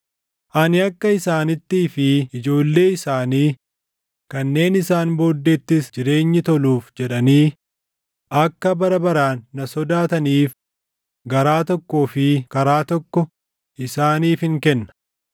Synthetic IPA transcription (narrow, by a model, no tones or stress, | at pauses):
ʔɐnɪɐkːɐɪsaːnɪt̪ːiːfɪɪd͡ʒo̞ːlːe̞ːɪsaːniː | kɐnːe̞ːnɪsaːnbo̞ːd̪ːeːt̪ːɪsd͡ʒɪɾe̞ːɲːɪt̪ɔluːfd͡ʒɛᶑɐniː | ʔɐkːɐbɐɾɐbɐɾaːnːɐsɔd̪aːt̪ɐniːf | ɡɐɾaːt̪ɔkːo̞ːfɪkɐɾaːt̪ɔkːɔ | ɪsaːniːfhɪŋkɛnːɐ̥